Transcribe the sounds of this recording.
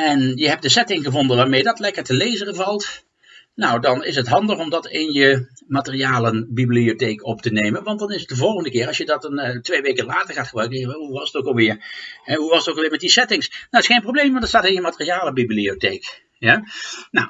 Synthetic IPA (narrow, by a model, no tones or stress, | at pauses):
ɛnjəɦɛp̚dəsɛtɪŋχəvɔndənʋaːɹmejədɑtlɛkəɹtəlejzərəvɑlˠt | nawdɑnɪsətɦɑndəχɔmdɑtɪnjəmatərijaːlənbibliotejkɔptənejmənʋɑnt̚dɑnɪsət̚dəvɔlˠχəndəkɪːɹɑsjədɑtntʋejʋejkəlaːtəɹχaːtχəbrœɥkənjaʋɛɦuʋɑsətokɑlˠʋɪːɹɛɦuʋɑsətokːlˠʋɪːɹmɛt̚disɛtɪŋsnoɪsχejnmprowblejmʋɑntətstaːtɪnjəmatərijaːləbibliotejk | janaw